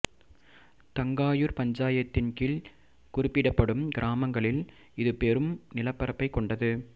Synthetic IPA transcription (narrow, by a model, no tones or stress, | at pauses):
t̪ɐŋɡaːjɯɾpɐɲd͡ʒaːjɐt̪ːɪnkɪɭ | kʊɾɪpːɪɽɐpːɐɽɯmɡɪɾʔaːmɐŋɡɐɭɪl | ɪðɯpɛɾɯmnɪlɐpːɐɾɐpːɐɪkːɔɳɖɐðɯ